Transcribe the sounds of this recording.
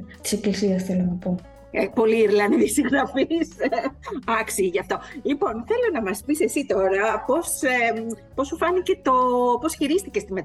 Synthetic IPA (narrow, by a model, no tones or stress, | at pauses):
t̪i̥seklisiɐsθelonɐpo̞ | po̞liːɾlɐniisiɣɾɐfis | ɐksiʝɐft̪o̞lipo̞nθe̞lo̞nɐmɐspise̞sit̪o̞ɾɐpo̞sepo̞sufɐnice̞t̪o̞po̞sçiɾist̪ice̞st̪imet̪